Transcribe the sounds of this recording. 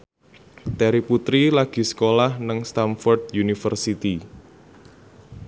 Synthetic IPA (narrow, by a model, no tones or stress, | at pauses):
t̪ɛɾiput̪ɾilaɡ̥i̤sə̥kolahnaŋst̪anfɔrd̪junifərsit̪i